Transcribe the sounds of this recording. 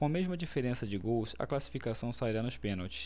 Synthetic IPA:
kõmeʒmɐd͡ʒifeɾẽsɐd͡ʒɪɡowsɐ̰klasi̥fikasɐ̃w̃saiɾanʊspẽnowt͡ʃɪ̥s

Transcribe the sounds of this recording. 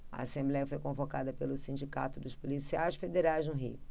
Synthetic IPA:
ɐ̰asẽmblɛjɐfojkõvokad̪ɐpelʊsĩnd͡ʒika̰t̪ʊd̪ʊspolisiajʃfed̪eɾajznʊɦḭʊ

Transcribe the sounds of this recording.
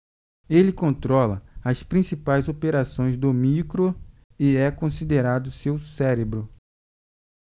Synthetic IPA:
elɪkõnt̪ɾɔlɐɐspɾĩsipajzopeɾasõj̃zd̪ʊmikɾo | ɪɛkõsid̪eɾad̪ʊsewsɛɾebɾʊ

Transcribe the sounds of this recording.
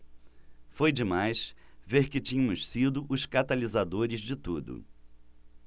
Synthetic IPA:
fojd͡ʒɪmajsveɾkɪt͡ʃĩɲɐ̃mʊssid̪ʊʔʊskat̪alizad̪oɾɪzd͡ʒɪt̪ud̪ʊ̰

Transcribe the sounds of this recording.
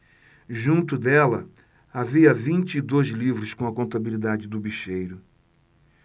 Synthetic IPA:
ʒũnt̪ʊd̪ɛlɐ̰ | aviɐvĩnt͡ʃɪːd̪ojzlivɾʊskõɐkõnt̪abilid̪ad͡ʒɪd̪ʊbiʃejɾʊ

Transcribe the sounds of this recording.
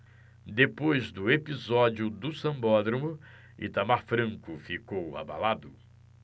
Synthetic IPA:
d̪epojzd̪ʊepizɔd͡ʒiʊd̪ʊsɐ̃mbɔd̪ɾɐmʊ | ɪ̰t̪amaɾfɾɐ̃ŋkʊfikowa̰ba̰lad̪ʊ

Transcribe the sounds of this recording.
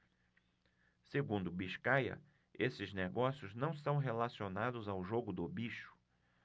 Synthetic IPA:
seɡũnd̪ʊbiʃkajɐ̰ | esɪzneɡɔsjʊznɐ̃w̃st̪ɐ̃w̃ɦelasionad̪ʊzawʒoɡʊd̪ʊbiʃʊ̥

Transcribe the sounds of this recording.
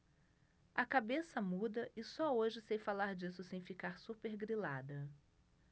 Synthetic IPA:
ɐkabesɐmud̪ɐʔɪsɔoʒɪsejfalaɾd͡ʒisʊsẽj̃fikaɾsupeɾɡɾilad̪ɐ

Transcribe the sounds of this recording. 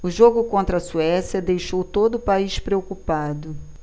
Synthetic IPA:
ʊʒoɡʊkõnt̪ɾɐsuɛsjɐd̪ejʃowt̪od̪ʊʊpaiʃpɾeokupad̪ʊ

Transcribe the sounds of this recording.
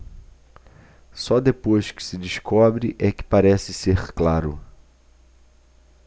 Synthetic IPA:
sɔd̪epojʃkɪ̥sɪd͡ʒiʃkɔbɾɪʔɛkɪ̥paɾɛsɪseɾklaɾʊ̰

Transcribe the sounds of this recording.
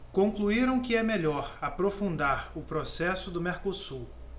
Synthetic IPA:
kõkluiɾɐ̃w̃kɪɛmeʎɔɾapɾofũnd̪aɾʊpɾosɛsʊd̪ʊmeɾkosuw

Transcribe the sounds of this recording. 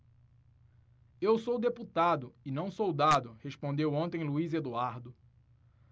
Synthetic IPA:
ewsowd̪eput̪ad̪ʊɪnɐ̃w̃sowd̪ad̪ʊhespõnd̪ewõnt̪ẽj̃luized̪uaɾd̪ʊ

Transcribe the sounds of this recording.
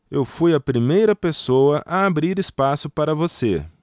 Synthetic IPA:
ewfujɐpɾimejɾɐpesowɐʔʔɐabɾiɾispasʊpaɾɐvosḛ

